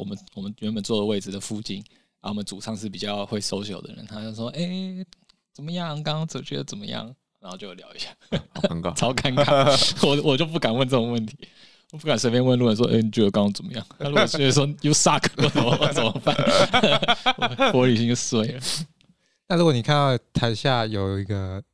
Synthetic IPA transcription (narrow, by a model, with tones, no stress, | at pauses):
wɔ̰˨˩mə˦wɔ˨˩mə˦nɥɛ˧˥npə˨˩nt͡swɔ˥˩d̪ə˩we˥˩ɪd͡zɹ̩˩d̪ə˩fu˥˧t͡ɕḭ˥˩n | a˧˥wɔ˨˩mə˦nt͡su˨˩ʂɑ˥˧ŋʂɻ̩˥˩p̬i˨˩t͡ɕjɑ˥˧ʊxwe˥˩ɪso˥ʊɕjo˨˩ʊd̪ə̰˦ɻə̰˧˦nt̪ʰa˥jʊʂwɔ˥ʔe˥˩ɪ | t͡sə˨˩nmə˦jɑ˥˨ŋkɑ˥ŋɑ˥˩t͡sə˨˩t͡ɕɥɛ̰˧˥d̪ə˧˩t͡sə˨˩nmə̰˦jɑ̰˥˩˨ŋ | ɻa˧˥xo˥˧t͡ɕjo˥˩˨ljɑ˧˥ʊi˧˥ɕja˥˩˧ | t͡sʰɑ˥ʊkʰa˥nkʰa˥˩wɔ˨˦wɔ˨˩t͡ɕjo˥˧ʊp̬u˥˩ka˨˩nwə˥˧nt͡sɤ˥˩o˨˩ŋwə˥˩nt̪ʰi̥˧˥˦ | wɔ˨˩p̬u˥˩ka˨˩nswe˥pʲjɛ˥nwə˥˧nlu˧˥˩ɔ˨˩ʂ̬wɔ̰˥ʔe˥˩ni˨t͡ɕo˥˩jkɑ˥ŋɑ˥ŋt͡sə˨˩mə˦jɑ̰˥˩ŋa˥˧ɻu˥˩kɔ˨˩ɛ˥˩˧ʂwɔ˥jo˥˧˩ʊsa˥˩kʰkɔ˥t͡sə˧˥wɔ˧wɔ˧˥t͡sə˨˩mə˦pa˥˩n˧ | pwɔ˧˥ly˨˩ɕi˥˩swe˥˩ɪlə˩ | na˥˩ɻu˥kwɔ˩ni˨˩kʰa˥˧nɑ˥˩ʊt̪ʰa˧˥ɪɕja˥˩jo˨˩ʊi˧˥ɡə˧